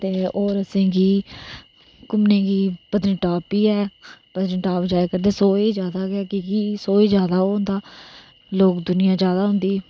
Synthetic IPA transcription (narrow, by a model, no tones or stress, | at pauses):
t̪eːoːɾəsẽːɡiː | kʊmnẽːɡiːpəd̪nĩːʈaːpiːɛːpəd̪ɾĩːʈaːpd͡ʒaːekəɾd̪eːsoːiːzjaːd̪aːɡɪaːkikiːsoːiːd͡ʒjaːd̪aːoːɦʊ̃nd̪aː | loːkd̪ʊnɪjãːd͡ʒjaːd̪aːɦʊ̃nd̪iː